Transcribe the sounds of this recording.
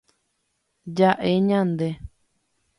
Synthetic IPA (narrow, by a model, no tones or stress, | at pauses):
d͡ʒaʔeɲãnd̪e